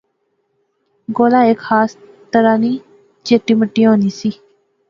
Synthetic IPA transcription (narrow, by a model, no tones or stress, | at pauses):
ɡoːlaːeːkxaːs | t̪əɾaːniː | d͡ʒeːʈiːməʈːijɦõːniːsiː